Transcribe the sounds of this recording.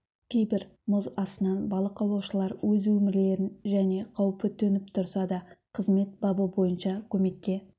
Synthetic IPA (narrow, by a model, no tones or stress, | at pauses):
kʲʰe̞jbɪɾmʊzɑsənɑnbɑlˠɑqʰɑwlˠɑwʃəlˠɑɾwɵzwɵmɪɾle̞ɾɪnʒæne̞qʰɑwpɵt̪ːenɪpt̪ʰʊɾsɑd̪ɑqʰəzme̞t̪̚bɑbəbo̞jənʃɑkʲʰɵme̞kʲːe̞